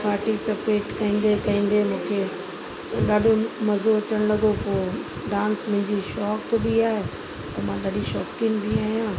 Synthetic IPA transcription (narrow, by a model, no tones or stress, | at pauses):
paːɾʈisɪpeːʈkɐĩːn̆d̪ekɐĩːn̆d̪emũːkʰe | ɗaːɗʱõmɐzoɐt͡ɕəɽ̃lɐɡʱopoː | ɖãːnsmʊ̃ɦɪ̃ɲd͡ʑiʃɔːkbiaːɦe | ɐmãɗaːɖiʃɔːkɪnbiaːɦijãː